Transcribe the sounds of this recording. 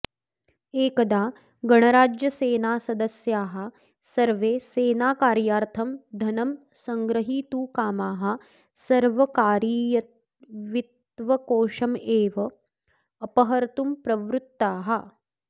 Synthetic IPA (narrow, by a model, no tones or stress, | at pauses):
eːkɐd̪aː | ɡɐɳɐɾaːd͡ʒjɐseːnaːsɐd̪ɐsjaːɦɐ̆ | sɐɾʋeːseːnaːkaːɾjaːɾt̪ʰɐmd̪ʱɐnɐm | sɐŋɡɾɐɦiːt̪uːkaːmaːɦɐ̆ | sɐɾʋɐkaːɾijɐ | ʋit̪ | ʋɐkoːʂɐmeːʋɐː | pɐɦɐɾt̪umpɾɐʋɾut̪ːaːɦɐ̆